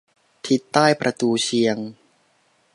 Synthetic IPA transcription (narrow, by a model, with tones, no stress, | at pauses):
t̪ʰi˧˦˥t̪ːaː˥˩jpɾʔa˧t̪uː˧t͡ɕʰi˧əŋ